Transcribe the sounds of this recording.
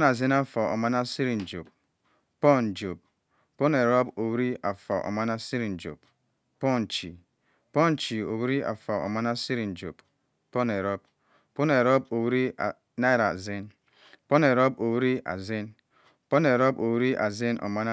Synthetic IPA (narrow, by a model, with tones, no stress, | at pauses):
na˨zi˦na˦fɔ˨o̰˨ma˦na˦si˦ɾi˨n˨d͡ʒo˨b̚ | pɔ˦˨n˨d͡ʒo˨b̚ | po˦ne˨ɾo˦bo˨wɾi˦ʔa˨fa˨ʔo̰˨ma˦na˦si˦ɾi˨n˨d͡ʒo̰˨b̚ | pɔ˦˨n˨t͡ʃi˨ | pɔ˦n˨t͡ʃi˨o˨wɾi˦ʔa̰˨fa˨o̰˨ma˦na˦si˦ɾi˨n˨d͡ʒo̰˨b | po˦ne˨ɾo˦b̚ | po˦ne˨ɾo˦b̚o˨wɾi˦a˨ | na˦i˦ɾa̰˨zi˦n | po˦ne˨ɾo˦bo˨wɾi˦a̰˨zi˦n | po˦ne˨ɾo˦bo˨wɾi˦ʔa̰˨zi˦nʔo̰˨ma˦na˦